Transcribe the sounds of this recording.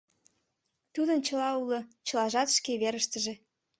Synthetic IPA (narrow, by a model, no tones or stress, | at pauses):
t̪ud̪ənt͡ɕəlɑulŏt͡ɕə̆lɑʒɑt̪ʃkeβeɾəʃt̪əʒĕ